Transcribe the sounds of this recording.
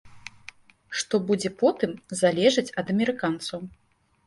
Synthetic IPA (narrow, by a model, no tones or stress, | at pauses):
ʂt̪ɔbud͡zʲɛpɔt̪ɨmzalʲɛʐɨt͡sʲɐd̪ɐmʲɛɾɨkant̪sɐw